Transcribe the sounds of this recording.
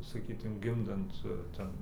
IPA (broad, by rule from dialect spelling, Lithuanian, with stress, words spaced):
sɐˈkʲiːtʊm ˈɡʲɪmdɐnt ˈtʲɛn